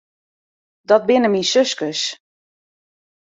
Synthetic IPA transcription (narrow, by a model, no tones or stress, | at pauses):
dɔt̚bɪnəmisøskəs